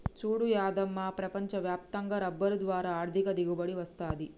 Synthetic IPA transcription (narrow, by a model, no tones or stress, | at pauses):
t͡ʃuːɽujaːd̪ɐmːaːpɾɐpɐɲt͡ʃɐʋjaːp̚t̪ɐŋɡɐɾɐbːɐɾud̪ʋaːɾaːɾd̪ʱikɐd̪iɡubɐɽiʋɐst̪aːd̪i